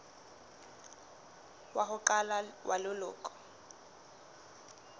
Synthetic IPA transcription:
waɦʊkalawʔalʊlʊ̰ːkʼɔ̥

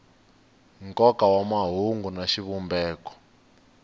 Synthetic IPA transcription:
ŋkɔkawamaɦuŋɡunaʃiβumbɛːkɔ̥

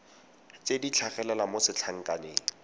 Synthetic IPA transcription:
t͡sedit͡ɬʰaχɛlɛlamosɪt͡ɬʰaŋ̩kʼaneːŋ̩

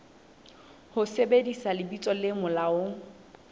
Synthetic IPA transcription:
hʊsebedisalɪbit͡sʼɔlɪmʊlaʊ

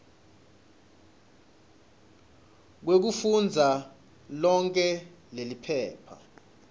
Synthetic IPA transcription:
k̬wek̬ufund͡zʱa | lɔŋkʼɛlelipʰɛːpʰa̰

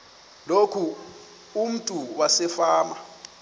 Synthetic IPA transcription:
lokʰu | um̩tʼuwasɛfaːma

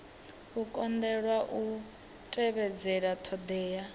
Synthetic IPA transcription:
ukʼɔnd̪ɛɺwaʔu | tʼɛβɛd͡zɛɺatʰɔd̪ɛːja

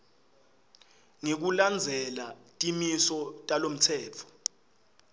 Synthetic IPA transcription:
ŋek̬uland͡zʱɛlatʼimisɔtʼalom̩tʰɛːt͡fʰɔ̥

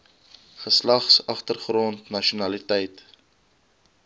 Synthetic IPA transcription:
χəslɐχsɐχtərχrɔntnɐʃunɐlitɛjt

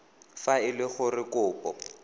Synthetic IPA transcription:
faɪlɪχʊrɪkʊːpʼɔ

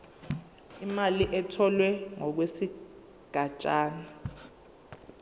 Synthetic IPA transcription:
imaliʔɛtʰɔlwɛŋɔk̬wesi | ɡ̥ʱat͡ʃʼaːna

